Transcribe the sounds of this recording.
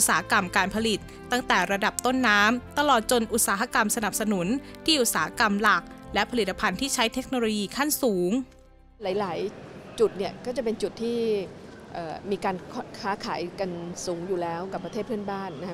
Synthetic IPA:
ʔu˩saː˩˦ha˦˧˥ka˧mkaː˧npʰa˧li˨˩t̪̚ːa˥˩ŋt̪ɛː˨˩ɾa˧da˨˩p̚t̪o˥˩nːaː˦˥mt̪a˧lɔː˨˩t̪̚t͡ɕo˧nʔu˨˩t̪̚saː˩˦ɦa˦˧ka˧msa˧na˨˩p̚sa˧nu˩˦nt̪ʰiː˥˩ʔu˨˩t̪̚saː˩˦a˧ka˧mla˨˩k̚lɛ˦˥ʔpʰa˧li˨˩t̪ːa˧pʰa˧nt̪ʰiː˥˩t͡ɕʰa˦˥jt̪ʰe˦˥k̚noː˧loː˧jiː˧kʰa˥˩nsuː˩˦ŋ | laː˩˦jlaː˩˦jt͡ɕu˨˩t̪̚ni˦˥˩ɐkɔː˥˩t͡ɕa˨˩pe˧nt͡ɕu˨˩t̪ʰːiː˥˩ʔɤː˨˩miː˧kaː˧nkʰkʰaː˦˥kʰaː˩˦jka˧nsuː˩˦ŋjuː˨˩lɛː˦˥wka˨˩pːɾa˧t̪ʰeː˥˩pʰɯ˥˩ə˨nbaː˥˩nːa˦˥˦

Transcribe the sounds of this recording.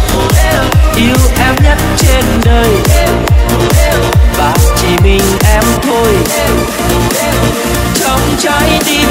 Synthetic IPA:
ʔi˧wʔɛ˧mɲə˦˥t̚t͡ɕe˧nɗəː˧j | wvaː˨˩wt͡ɕi˨˩mï˨˩ŋ̟ʔɛ˧mt̪ʰo˧j | t͡ɕɔ˧wŋ͡mt͡ɕɔ˧˦jɗi˧

